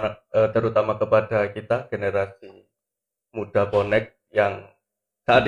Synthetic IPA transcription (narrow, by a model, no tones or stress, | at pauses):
aət̪əɾut̪amakəpadakit̪aɡ̥eneɾasi | mud̥apɔnɛk̚ | jaŋ | sad